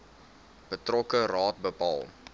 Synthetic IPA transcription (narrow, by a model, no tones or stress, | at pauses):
b̥ətrɔkərɑːt̚bəpɑ̰ːlˠ